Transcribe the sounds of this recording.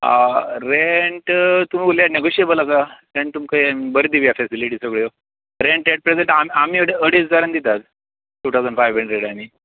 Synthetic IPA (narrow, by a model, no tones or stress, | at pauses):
a̰ɾeɳʈt̪um̤iːɡoljaneɡoɕebəlasaɾeɳʈ̚t̪umkəmibəɾd̪iʋijafɛsiliʈiːsəɡɭjo | ɾeɳʈɾeʈ̚pɾed͡zeɳʈamam̤iːəɽeəɽesd͡zaɾənd̪it̪at̪ | ʈuːt̪ʰawd͡zəɳɖfajʋɾẽɳʈɾeɽani